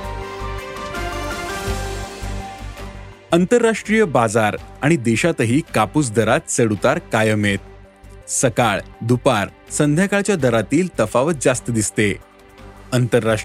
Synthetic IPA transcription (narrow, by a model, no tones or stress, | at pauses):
ənt̪əɾːaʂʈɾijəbad͡zaɾaɽ̃id̪eɕat̪əɦiːkapuːsd̪əɾat̪t͡səɽut̪aɾkajəmet̪̚ | səkaɭd̪upaɾ | sənd̪ʱjakaɭt͡ɕjad̪əɾat̪iːlt̪əfaʋət̪̚d͡zast̪əd̪ist̪e | ənt̪əɾːa